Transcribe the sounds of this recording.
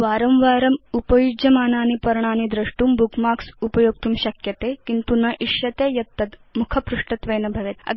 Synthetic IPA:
ʋaːɾɐmʋaːɾɐmupɐjud͡ʒjɐmaːnaːnipɐɾɳ̃aːnid̪ɾɐʂʈuːmbukmaːksupɐjoːɡ̚t̪uːmɕɐkjɐt̪eːkint̪unɐʔiʃjɐt̪ejɐt̪ːɐt̪mukʰɐpɾuʂʈɐt̪ʋɐjnɐbʱɐʋet̪ɐ̰

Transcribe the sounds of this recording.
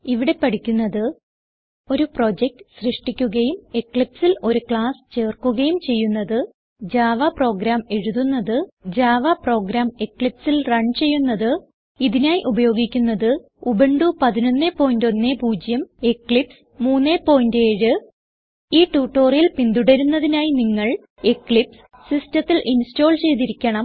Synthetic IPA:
iʋiɽe̞pɐɽikʲːunːɐðɨ | o̞ɾupro̞ːd͡ʑek̚ʈɨsrɨʂʈikʲːuɣɐjumekɭipsilo̞ɾukɭaːst͡ɕe̞ːrkuɣɐjumt͡ɕe̞jːunːɐðɨ | d͡ʑaːʋapro̞ːɡɾaːme̞ɻuðunːɐðɨd͡ʑaːʋapro̞ːɡɾaːmekɭipsilrɐɳt͡ɕe̞jːunːɐðɨ | iðinaːjiʔubɐjo̞ːɡikʲːunːɐðɨ | ubeɳɖupɐðino̞nːepːo̞ːjndo̞nːeːpuːd͡ʑjɐmekːɭips | muːnːeːpːo̞ːjindeːɻɨ | iːʈːuːʈːo̞ːrijilpind̪uɽɐɾunːɐðinaːjiniŋːɐɭ | ekːɭips | sistɐt̪ːilʔinsto̞ːɭt͡ɕe̞jt̪iɾikʲːɐɳɐm

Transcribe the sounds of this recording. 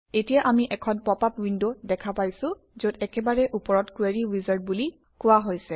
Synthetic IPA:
etijaʔamiʔɛkʰɔnpɔpapwindodɛkʰapajsʊ̃ | zotɛkɛbaɹɛʔupɔɹɔtkueɹiwizaɹt̚buli | kʊwaɦojsɛ

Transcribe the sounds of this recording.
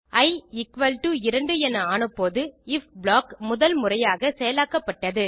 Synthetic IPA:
ɐɪɪkʋɐlʈuɪɾɐɳɖɯɛnɐaːnɯpːoːðɯɪfbɭaːkmʊðɐlmʊrɐjaːɣɐsɛjɐlaːkːɐpːɐʈːɐðɯ

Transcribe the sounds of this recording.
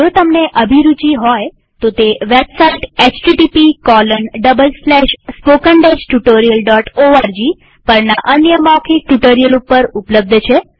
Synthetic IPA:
d͡ʒot̪əmneʔəbʱiɾut͡ʃiɦɔj | t̪ot̪eʋebsaiʈet͡ʃʈiʈipikɔlənɖəbəlslɛʃspokəɳɖed͡ʒʈuʈoɾijəlɖɔʈoaɾd͡ʒi | pəɾnaʔənjəmɔkʰik̚ʈuʈoɾijəlupːəɾupləb̚d̪ʱt͡ʃʰe

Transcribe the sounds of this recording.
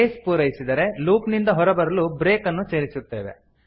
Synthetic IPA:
eːspuːɾɐjisid̪ɐɾe̞luːpnind̪ɐɦɔɾɐbɐɾɐlubɾe̞ːkɐnːuse̞ːɾisut̪ːe̞ːʋe̞̰

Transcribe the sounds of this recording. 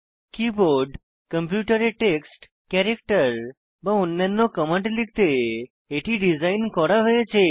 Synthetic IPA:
kiboɾɖ | kəmpjuʈəɾeʈeksʈ | kɛɾekʈəɾ | baunːənːokəmə̃ɳʈliɡ̚t̪eː | ʈiɖizajnkɔɾaɦəjet͡ʃʰe

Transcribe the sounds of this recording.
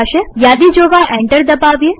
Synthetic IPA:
ʃejaːd̪id͡ʒoːɡaʔɛ̃ɳʈəɾd̪ɐbaːʋe

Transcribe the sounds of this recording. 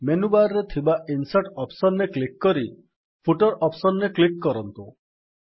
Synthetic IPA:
menubaɾɾet̪ʰibaʔinsaʈɔpsɔnːeklikːɔɾi | pʰuʈɔɾɔpsɔnːeklikːɔɾɔnt̪u

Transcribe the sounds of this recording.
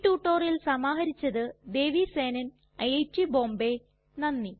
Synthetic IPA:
ʈːuːʈːo̞ːrilsɐmaːɦɐɾit͡ɕːɐðɨd̪e̞ːʋiseːnɐn | ɐjɐjtːibo̞ːmbe̞ | nɐnːi

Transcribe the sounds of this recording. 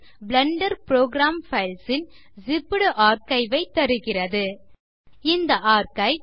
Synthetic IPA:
blɐɳɖɐɾpɾoːɡɾaːmfɐɪlsɪn | zɪpːɯɽɯʔaːɾkɐɪʋɐɪt̪ːɐɾɯɣɪrɐðɯ | ɪnd̪ɐʔaːɾkɐɪ

